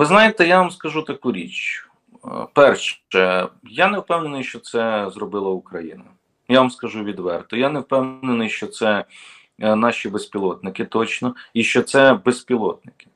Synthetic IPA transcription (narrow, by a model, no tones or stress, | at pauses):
ʋɪznɑjɪt̪ɛjaʋamskɐʒut̪ɐkuɾʲit͡ʃ | pɛrʃɛjanewpɛwnenɪjʃt͡ʃɔt̪sɛzrɔbɪlˠɐʊkɾɐjinɐ | jaʋamskɐʒuʋʲid̪ʋɛrt̪ɔjanewpɛwnenɪjʃt͡ʃɔt̪sɛ | nɑʃʲibespʲilˠɔt̪nɪkɪt̪ɔt͡ʃnɔiʃt͡ʃɔt̪sɛbespʲilˠɔt̪nɪkɪ̥